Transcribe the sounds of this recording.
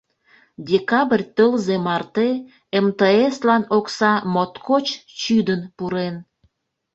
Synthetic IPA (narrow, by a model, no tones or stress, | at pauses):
dʲekɑbrʲt̪əlzemɑrt̪e | emt̪əeslɑnoksɑmot̪kʰot͡ɕt͡ɕyd̪ənpuɾen